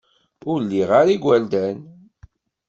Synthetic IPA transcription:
ʊɾlːiʁaɾiɡʷæld̪æn

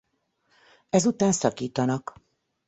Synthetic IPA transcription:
ɛzut̪aːnsɒkiːt̪ɒnɒk

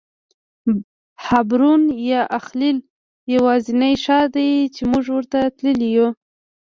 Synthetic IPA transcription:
habɾunjɑʔaxlil | jawɑzinajʃɑd̪ajt͡ʃemuʐwəɾt̪at̪ləliju

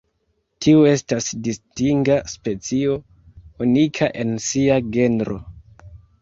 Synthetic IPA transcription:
tʰiue̞stasdistiŋɡaspe̞t͡sio̞ | unikʰaʔe̞nsiaɡe̞ndɾo̞̰

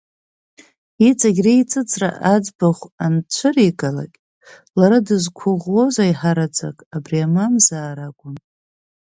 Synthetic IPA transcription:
it͡sʼaɡʲrejt͡sʼɨt͡sʼʰra̰ʔad͡zbaχʷant͡ɕʷʰɨrikʼala̰kʲʼ | laɾadɨzkʷʰʊʁwo̞zajħaɾad͡zʰʼa̰kʼabriamamzaːɾaɡʷʼʊn

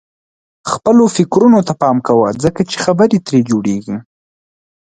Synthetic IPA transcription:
xpəlofɪkɾunot̪apɑmkawa̰zəkat͡ʃexabəɾit̪ɾed͡ʒoɽeɡi

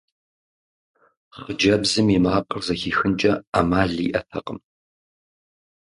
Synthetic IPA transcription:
χəd͡ʒɐbzɨmimaːqʼərzɐxiːxɨnt͡ʃʼɐamaːɮḭːʔɐtʰɐqʼəm

